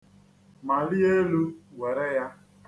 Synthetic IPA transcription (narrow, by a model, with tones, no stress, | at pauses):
ma˨li˦e˦lu˦we˨ɾe˦ja˦